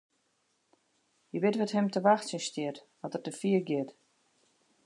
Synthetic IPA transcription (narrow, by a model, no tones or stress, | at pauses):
jəbɪtʋɛthɛmtəʋaxtsənstɪtʋɔtərtdəfiəɡjɪt